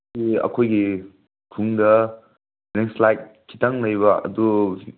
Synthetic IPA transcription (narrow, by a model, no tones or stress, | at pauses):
iɐ̰kʰojɡi | kʰuŋdɐ | ɾeŋslajt̚kʰːi̥taŋlɐjbɐɐ̰du